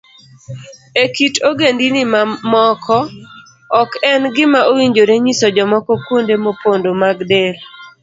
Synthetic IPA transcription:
ekitoɡendinɪmamɔkʰɔ | ɔkɛnɡɪmaʔowiɲd͡ʒoɾeɲisɔd͡ʒɔmɔkɔkwondemopondomaɡdel

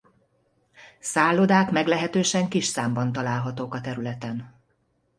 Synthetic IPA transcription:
saːlːod̪aːkmɛɡlɛɦɛt̪øːʃɛŋkiʃsaːmbɒnt̪ɒlaːlɦɒt̪oːkɒt̪ɛɾylɛt̪ɛn

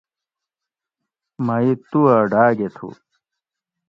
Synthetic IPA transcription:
mɐit̪uaɖaːɡet̪ʰṵ

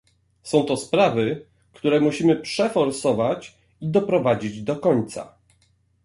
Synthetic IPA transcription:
sɔ̃w̃t̪ɔspɾavɘ | kt̪uɾɛmuɕimɘpʂɛfɔɾsɔvat͡ɕ | id̪ɔpɾɔvad͡ʑid͡ʑd̪ɔkɔɲt̪sa̰

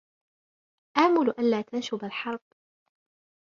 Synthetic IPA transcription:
ʔaːmʊlʔanlaːt̪ʰanʃʊbalħɑɾˤb̚

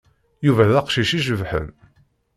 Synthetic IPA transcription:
juvæðæqʃiʃiʒəvħə̰n

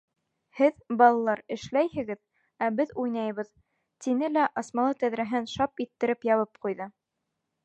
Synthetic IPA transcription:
hɘðbɑlˠɑlˠɑɾɘ̆ʃlæjhɘ̆ɡɘð | æbɘðujnɑjβɤð | t̪inɘlæʔɑsmɑlˠɤt̪æðɾæɦɘnʃɑpit̪ːɘ̆ɾɘpjɑβɤp̚qujðɤ

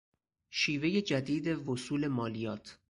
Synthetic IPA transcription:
ʃiːve̞je̞d͡ʒæd̪iːd̪e̞vosuːle̞mɒːlijɒːt̪ʰ

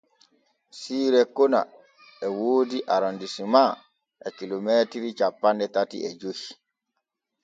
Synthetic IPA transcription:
siːɾɛkona̰ | ɛwoːdiʔaɾɔndisima | ʔɛkilomɛtiɾit͡ʃapːandɛtatḭɛd͡ʒohi̥

